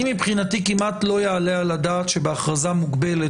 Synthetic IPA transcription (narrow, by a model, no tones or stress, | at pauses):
imipχinatikimʔat̪lo̞jaalealadaːt̪ʃe̞beaχʁazamuɡbe̞le